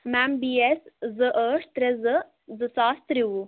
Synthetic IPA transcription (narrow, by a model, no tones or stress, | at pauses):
mɛmbiːeszəʔəːʂt̪ɾezə | zɨsaːst̪ɾiu